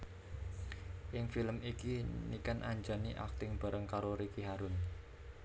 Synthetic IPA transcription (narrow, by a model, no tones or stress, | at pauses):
ʔɪŋfiləmikinikanʔaɲd͡ʒaniʔa̰k̚t̪ɪŋb̥a̤ɾəŋkaɾoɾikiɦaɾʊn